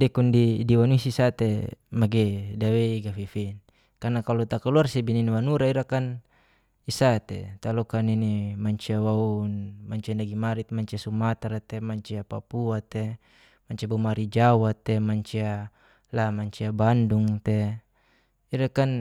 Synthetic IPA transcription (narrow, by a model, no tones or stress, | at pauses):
dɛkundidiwanuisisat̪emaɡedaweiɡafifin | karnakalɔt̪akaluarsɛbininiwanuɾaiɾakan | isat̪ḛt̪alɔkaninimaɲt͡ʃiawaunmaɲt͡ʃiandaɡimaɾit̪̚maɲt͡ʃiasumat̪aɾat̪emaɲt͡ʃiapapuat̪e | maɲt͡ʃiabumaɾid͡ʒawat̪ːemaɲt͡ʃia | lamaɲt͡ʃiabanduŋt̪e | iɾakan